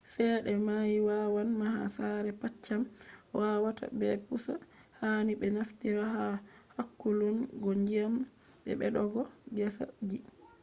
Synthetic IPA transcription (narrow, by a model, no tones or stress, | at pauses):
sɛɗɛmajiwawanmaha̰saɾɛpat͡ʃːamwʔawata̰bɛpusa̰ | haniɓɛnaftiɾaɦahakːulunɡɔɲd͡ʒiam | ɓɛ̰ɓɛɗɔɡɔd͡ʒɛsa̰d͡ʒi